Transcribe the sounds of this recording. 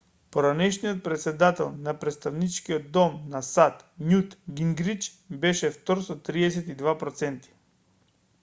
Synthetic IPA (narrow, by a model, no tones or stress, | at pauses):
poɾanɛʃnijɔt̪̚pɾɛt̪sɛd̪at̪ɛlˠnapɾɛt̪st̪avnit͡ʃkiod̪ːɔmnasat̪ɲut̪ɡiŋɡɾit͡ʃ | bɛʃɛft̪ɔɾsɔt̪ɾiɛsɛt̪id̪vapɾɔt̪sɛnt̪i̥